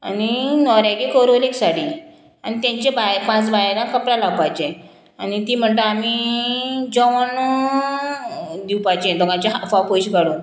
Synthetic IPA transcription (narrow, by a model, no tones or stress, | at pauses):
aninɔɾjaɡikəɾoleksaɽi | anit̪jãɲt͡ɕebajpãt͡sbajalãkəpɾalawpajt͡ɕẽ | anit̪iːm̤əɳt̪əami | d͡ʑɔʋən | d̪iwpajt͡ɕẽd̪ɔɡãt͡ɕeɦafapojɕɡʱaɽõ